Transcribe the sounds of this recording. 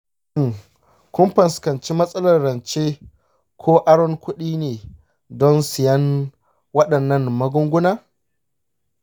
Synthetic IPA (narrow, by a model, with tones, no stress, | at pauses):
ɪ˦˨ŋ | kʷʊ˦mɸɐ˨nskɐ˨nt͡ʃi˦mɐ˦sʼɐ˦lɐ˨rːɐ˨nt͡ʃe˦ | kʷʰoː˦ʔa˦ɽɔ˦ŋkʷʊ˦ɗiː˦neː˨ | dɔ˦nsɪ˨jɐ˦n | wɐ˦ɗɐ˨nːɐ˦˨ŋmɐ˦ɡʊ˦ŋɡʷʊ˦naː˦